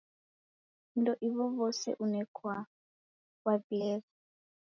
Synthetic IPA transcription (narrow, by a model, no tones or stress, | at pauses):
ndɔʔiβɔβɔsɛ̰ʔunɛkʰwa | wabiɛːβɔ